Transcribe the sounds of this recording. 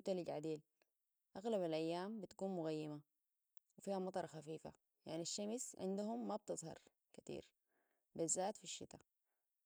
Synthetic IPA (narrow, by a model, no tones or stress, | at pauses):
t̪aliɟʕad̪eːl | ʔaɣlaβalʔajːaːmbit̪ḁkuːnmʊɣajːima | wɪfiːhamɑt̪ˤɑɾˤxafiːfa̰ | ja̰ʕniaʃːamsʕɪ̰nd̪uɦumːab̚t̪ɨzˤhɑ̰ɾˤ | kḁt̪ḭːɾ | bizːaːt̪fiʃːḭt̪a